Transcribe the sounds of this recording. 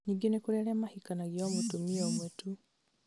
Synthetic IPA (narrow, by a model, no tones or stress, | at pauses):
ɲiŋɡenekuɾɛɾɛmahikanaɣiɔmotomiɛomwetu